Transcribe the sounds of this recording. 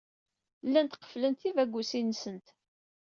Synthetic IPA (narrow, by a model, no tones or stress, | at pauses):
lːænt̪qə̥flənt̪ivæɡʷːusinsənt̪